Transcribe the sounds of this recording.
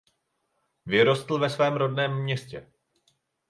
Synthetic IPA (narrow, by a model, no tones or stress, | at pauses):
vɪɾo̞st̪l̩vɛsvɛːmɾo̞dnɛːmːɲɛscɛ